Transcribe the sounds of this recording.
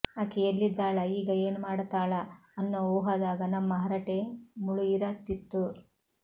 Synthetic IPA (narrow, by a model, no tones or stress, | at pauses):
aːkejɐlːidd͡ʒaːɭɐiːɡɐeːnumaːɽt̪aːɭɐɐnːooːɦɐd̪aːɡɐnɐmːɐɦɐɾɐʈemuɭujiɾɐt̪ːit̪ːu